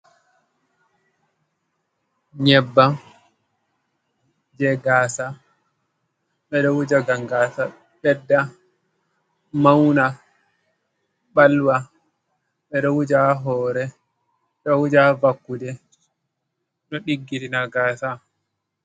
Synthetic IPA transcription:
ɲɛbːa | d͡ʒɛɡaːsa | ɓɛɗɔwud͡ʒaɡaŋɡasa | ɓɛdːa | mawna | ɓalwa | ɓɛɗɔwud͡ʒaɦɔːɾɛ | ɗɔwud͡ʒavakːudɛ | ɗɔɗiɡːiɾinaɡaːsa

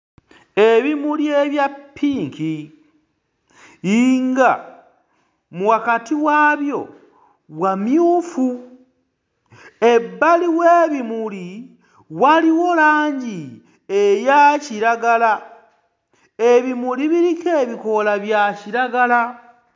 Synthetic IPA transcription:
e̞βimuljeβjapʰːiːŋki | ŋɡa | muwakatiwaːβjo̞ | βwamjuːfu | e̞bːaliweːβimuli | waliwo̞laːɲɟi | ejaciɾaɡala | eβimuliβiɾikeːβiko̞laβjaciɾaɡala

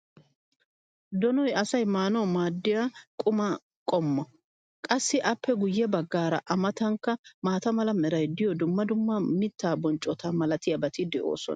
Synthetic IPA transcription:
d̪ɔnɔjɐsɐjmaːnɔmaːd̪ːɪjakʼʊmɐ | kʼɔmːɔ | kʼɐsːɪʔɐpːɛɡʊjːɛbɐɡːaːɾɐʔɐmɐt̪ɐŋkːɐmaːt̪ɐmɐlɐmɛɾɐjd̪ɪjɔd̪ʊmːɐd̪ʊmːɐmɪt̪ːaːbɔnt͡ʃʼɔt̪ɐmɐlɐt̪ɪjɐbɐt̪ɪd̪ɛʔo̞̰ːsɔ̰nɐ

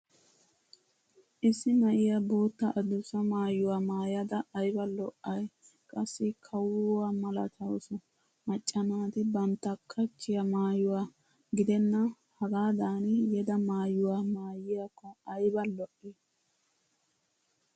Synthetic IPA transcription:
ʔɪsːɪmɐʔɪjaboːt̪ːɐʔɐd̪ʊsɐmaːjʊwaːmaːjɐd̪ɐɐjbɐlɔʔɐj | kʼɐsːɪkʰɐwʊwaːmɐlɐt̪ʰɐwsɔ | mɐt͡ʃʼːɐnaːt̪ɛbɐnt̪ːɐkʰːɐt͡ʃːɪjɐmaːjʊwaː | ɡɪd̪ɛnːɐ | hɐɡaːd̪aːnjɛd̪ɐmaːjʊwaːmaːjɪjakːɔɐjbɐlɔʔɪ

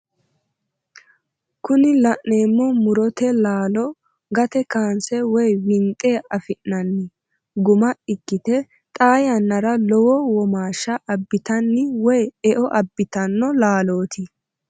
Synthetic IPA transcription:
kʊnɪlɐʔːeːmːɔmʊɾɔt̪ɛlaːlɔ | ɡɐt̪ɛkaːnsɛwɔjwɪnt̪ʼːe̞ːɐfɪʔnɐnːɪ | ɡʊmɐɪkːɪt̪ɛ | t̪ʼaːjɐnːɐɾɐlɔwɔwɔmaːʃːɐʔɐbːɪt̪ɐnːɪwɔjɛʔɔʔɐbːɪt̪ɐnːɔlaːlo̞ːt̪ɪ

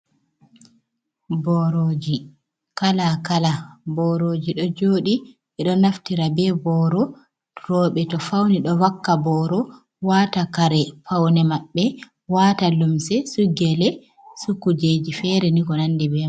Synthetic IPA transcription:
bɔɾoːd͡ʒi | kalakalabɔɾoːd͡ʒiɗɔd͡ʒoːɗiʔɛɗɔnaftiɾabɛbɔɾɔ | ɾɔɓɛtɔfawniɗɔwakːabɔɾɔ | waːtakaɾɛpawnɛmaɓːɛ | watalumsɛsuɡɛlɛ | sukːud͡ʒed͡ʒifɛɾɛniɡɔnandibɛ

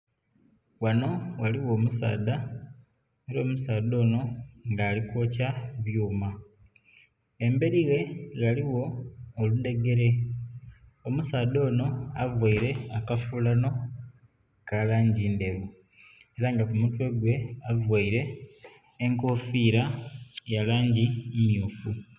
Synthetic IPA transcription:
wano̞waliwo̞ːmusa̰ːda | eɾo̞ːmusaːd̪o̞ːno̞ŋɡaːlikwo̞caβjuːma | embe̞ɾiɣe̞laliwo̞ːlud̪e̞ɡe̞ɾe̞ | omusaːd̪o̞ːno̞avwaiɾe̞akafulano̞ | kalaːɲɟiːnde̞βu | e̞ɾaŋɡakumutwe̞ɡwe̞avwaiɾe̞ː | ŋko̞ːfiːɾajalaːɲɟimumjuːfu

